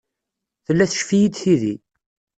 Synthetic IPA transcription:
θəlːæθə̥ʃfijid̪θiði

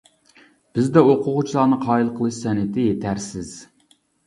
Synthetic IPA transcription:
b̥ɪzd̪ɛoqʰʊʁʊt͡ʃʰilˠɑnɨqʰɑːilˠqʰəlˠɨʃsɛnɪt̪ʰɪjet̪ʰæɾsɪz̥

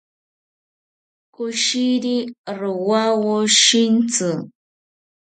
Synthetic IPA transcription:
kʊʃiɾiɾʊwawoʃint͡sɨ

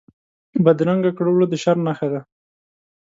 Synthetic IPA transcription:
bad̪ɾaŋɡakɽowlod̪əʃaɾnaxad̪a

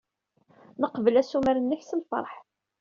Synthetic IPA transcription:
nəqvəlæsumæɾənːəçsənfɑ̰ɾˤħ

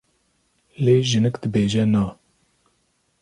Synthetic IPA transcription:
leːʒɨnɨkd̪ɨbeːʒɛnaː

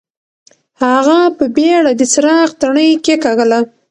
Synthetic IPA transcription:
haɣapəbeɽad̪əsɾɑqt̪aɳəjkekaɣəla

